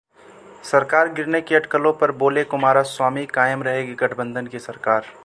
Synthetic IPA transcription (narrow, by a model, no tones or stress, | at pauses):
sɐɾkaːɾɡɪɾnekeɐʈkəlõpɐɾboːlekʊmaːɾaswaːmikaːjəmɾɐɦeɡiɡɐʈʰbə̃nd̪ʱənkesɐɾkaːɾ